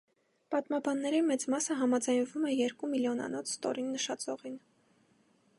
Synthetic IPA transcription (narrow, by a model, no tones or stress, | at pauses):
pɑt̪mɑbɑnːɛɾimɛt͡smɑsəɦɑmɑd͡zɑjnvumɛjɛɾkumiljɔnɑ̰nɔt͡sʰst̪ɔ̰ɾinːəʃɑt͡sɔʁin